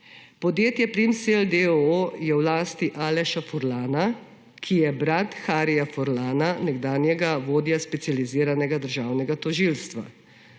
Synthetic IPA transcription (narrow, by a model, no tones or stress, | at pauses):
pɔd̪jeːt̪jɛpɾimseld̪eojɛwlaːst̪iʔaːlɛʃafɔɾlaːna | kʰijɛbɾat̪xaːɾijafɔɾlaːnanɛɡd̪aːnjɛɡaʋoːd̪jaspɛt̪sijaliziːɾanɛɡad̪əɾʒaːwnɛɡat̪ɔʒilst̪ʋa̰